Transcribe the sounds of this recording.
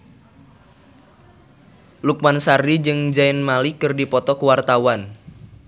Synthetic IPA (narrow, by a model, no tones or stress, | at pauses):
luk̚mansarid͡ʒɨŋd͡ʒaɪnmalikərdipɔt̪ɔkəwart̪awan